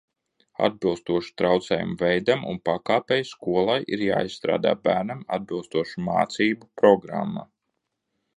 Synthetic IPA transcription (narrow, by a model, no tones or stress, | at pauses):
a̰d̪̚bilˠst̪uɔʃu̥t̪ɾawt̪sɛːjṵmvɛjd̪amṵnpakaːpɛjskuɔlˠajḭɾja̰ːisst̪ɾa̰ːd̪a̰ːbæːɾnama̰d̪̚bilˠst̪uɔʃuma̰ːt̪siːbupɾɔɡɾa̰mːa̰